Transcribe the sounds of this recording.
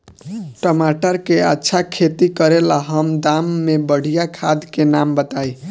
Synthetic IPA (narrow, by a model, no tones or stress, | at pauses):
ʈʌmaʈʌɾkeatːsʰakʰet̪ikʌɾelaɦʌmd̪amːebʌɽ̤ijakʰad̪kenambʌt̪aj